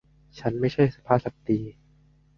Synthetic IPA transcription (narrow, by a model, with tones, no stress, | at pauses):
t͡ɕʰa˦˥nma˥˩jt͡ɕʰa˥˩jsa˨˧˩pʰaː˥˩sa˨˩p̚t̪iː˧